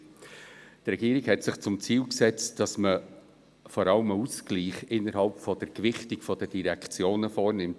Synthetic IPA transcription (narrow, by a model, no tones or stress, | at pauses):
trɛɡiːɾiɡhɛtsɪχt͡sʊmt͡siːlksɛt͡std̥ɑsmə | fɔɾɑləmuskliːχɪnːəɾɦɑlpfɔd̥əɾkvɪχtikfɔd̥əd̥iɾɛkt͡sjoːnəfɔːɾnɪmt